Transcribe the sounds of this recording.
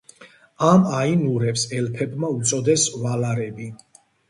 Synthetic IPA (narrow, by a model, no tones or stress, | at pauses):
amainuɾɛpsɛlpʰɛbmaut̪sʼɔd̪ɛsvalaɾɛbi